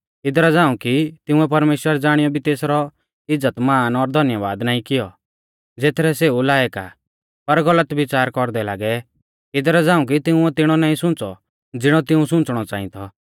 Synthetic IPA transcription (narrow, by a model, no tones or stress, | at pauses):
ɪd̪ɾad͡zaːũkit̪ɪũɛp̬ɐɾmeːʃwəɾd͡zaːɽ̃ɪjɔbʱit̪eːsɾɔ | ɪd͡zːət̪maːnɔɾd̪ʱɐnjəʋa̰ːd̪naːĩkɪjɔ | d͡zeːt̪ʰɾɛseːulaːɛka̰ | pɐɾɡɐlət̪ʋɪt͡saːɾkɔɾd̪ɛlaːɡɛ | ɪd̪ɾad͡zãːũk̬it̪ɪũɛt̪ɪɽ̃ɔnaːĩsʊ̃nt͡sɔ̰ | d͡zɪɽ̃ɔt̪ɪũsʊ̃nt͡sɽ̃ɔt͡saːḭ̃t̪ʰɔ